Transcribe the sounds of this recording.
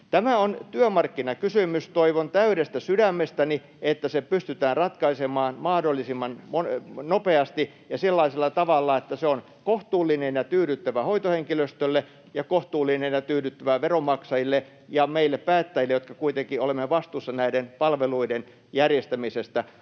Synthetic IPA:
t̪æmæont̪yømɑrkːinɑkysymyst̪oiʋont̪æyɾest̪æsydæmːest̪æni | et̪ːæsepyst̪yt̪æːnrɑt̪kɑisemɑːnmɑhdolːisimːɑnmonnopeɑst̪i | jɑselːɑiselːɑt̪ɑʋɑlːɑet̪ːæseon | koht̪uːlːinenjɑt̪yːɾyt̪ːæʋæhoit̪oheŋkiløst̪ølːe | jɑkoht̪uːlːˑinenjɑt̪yːɾyt̪ːæʋæʋeromɑksɑjilːe | jɑmeilːeppæːt̪ːæjilːejot̪kɑkuit̪eŋkiolemːeʋɑst̪usːɑnæidenpɑlʋeluiden | jærjest̪æmisest̪æ

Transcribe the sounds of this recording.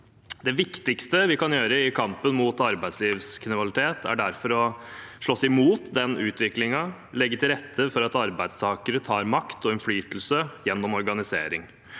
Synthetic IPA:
d̪ɛʋɪkt̪ɪkst̪əʋɪkɑnjøːɾəɪkʰɑmpənmuːt̪ɑɾbæɪd̪sliːʋskʰɪnɪʋɑlɪt̪ʰeːt̪ʰæ̰ɖæɾfɔɾɔʂɭɔsɪmuːt̪d̪ɛnʉːt̪ʋɪklɪŋɑ | lɛɡːət̪ʰɪlɾɛt̪ʰːəfɔɾɑt̪ɑɾbæɪd̪st̪ʰɑːkəɾət̪ʰɑːɾmɑkt̪ɔɛnflyːt̪l̩səjɛnːɔmɔɾɡɑnɪsḛːɾɪŋ

